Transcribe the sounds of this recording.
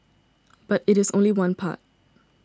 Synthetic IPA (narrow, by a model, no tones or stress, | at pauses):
b̥ʌɾɪɾɨzõʊ̃nliwʌ̃npʰa̰t̚